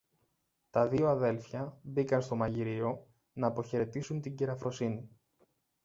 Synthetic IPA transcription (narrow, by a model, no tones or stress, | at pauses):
t̪ɐðio̞ɐðe̞lfçɐbikɐnst̪o̞mɐʝiɾio̞ | nɐːpo̞çe̞ɾe̞t̪isunt̪iɲɟiɾɐfɾo̞sini